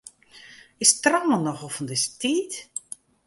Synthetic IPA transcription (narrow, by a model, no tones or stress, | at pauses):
ɪstramənɔxofəndɪstiːt